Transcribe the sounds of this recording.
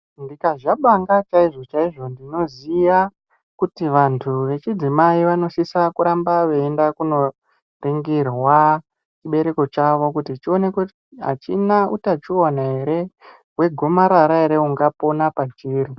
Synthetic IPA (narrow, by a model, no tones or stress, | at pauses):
ndikaʐaɓaŋɡat͡ʃaiʐo̞t͡ʃaiʐo̞ndino̞zija | kutiʋantʰuʋe̞t͡ʃid͡zimaiʋano̞ʃisakuɾambaʋeːndakuno̞ | riŋɡirwa | t͡ʃiɓe̞ɾe̞ko̞t͡ʃaʋo̞kutit͡ʃio̞ne̞ku | ɦa̰t͡ʃinaʔutat͡ʃuanaɦe̞ɾe̞ | we̞ɡʱo̞maɾaɾaɦe̞ɾe̞uŋɡapo̞napat͡ʃiːɾi